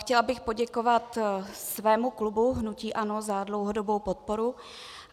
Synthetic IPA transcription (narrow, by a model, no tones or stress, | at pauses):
xcɛlabɪxpo̞ɟɛko̞vat̪svɛːmuklubuɦnuciːʔano̞zadlowɦodobowpot̪̚po̞ɾu